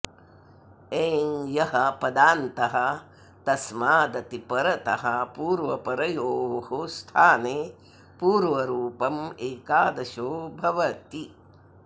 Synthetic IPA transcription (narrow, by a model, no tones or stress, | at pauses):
eːŋjɐɦɐpɐd̪aːnt̪ɐɦɐ | t̪ɐsmaːd̪ɐt̪ipɐɾɐt̪ɐɦɐpuːɾʋɐpɐɾɐjoːʋhust̪ʰaːneː | puːɾʋɐɾuːpɐmeːkaːd̪ɐʃoːbʱɐʋɐt̪i